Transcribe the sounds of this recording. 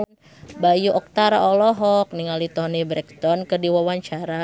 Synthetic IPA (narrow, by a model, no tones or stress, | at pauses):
bajuʔɔk̚t̪aɾa̰ɔlɔɦɔk̚niŋalit̪ɔnibɾɛk̚t̪ɔnkərdiwawaɲt͡ʃaɾa